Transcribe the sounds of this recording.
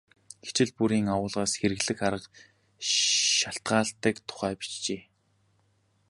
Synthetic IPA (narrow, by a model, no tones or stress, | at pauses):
ɡ̥e̥t͡ɕɪ̆ɮpuɾiːŋawʊːɮʁaːsxeɾɘ̆ɣɮɘ̆xaɾə̆q | ʃaɬt̪ɢaːɬt̪əːkt̪ʰʊ̥χæːpi̥t͡ɕt͡ɕeː